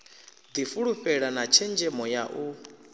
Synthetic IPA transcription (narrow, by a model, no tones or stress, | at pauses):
d̪ifuɺuɸɛɺanat͡ʃʰɛnd͡ʒɛmɔjaʔu